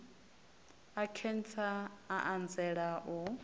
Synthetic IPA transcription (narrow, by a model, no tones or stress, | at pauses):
akʰɛntʰaaʔand͡zɛɺaʔu